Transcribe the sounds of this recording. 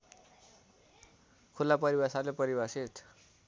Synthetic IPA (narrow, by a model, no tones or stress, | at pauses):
kʰulːapʌɾibasalepʌɾibasit̪